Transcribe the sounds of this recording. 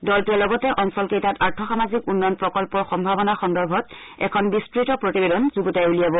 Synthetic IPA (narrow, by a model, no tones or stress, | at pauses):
dɔltuɛlɔɡɔtɛʔɔnsɔlkejtataɹtʰɔxamazikunːɔjnpɹɔkɔlpɔɹxɔmbʱabɔnaxɔndɔɹbʱɔt̚ | ɛ̰kʰɔnbistɹitɔpɹotibedɔnzuɡutajulijabɔ